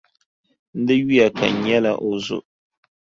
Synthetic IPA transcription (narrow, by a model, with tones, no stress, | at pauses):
n̩˦dɨ˦ɥi˦a˨ka̰˨ɲɛ˦la˦ʔo˨zʊ̰˨ʔ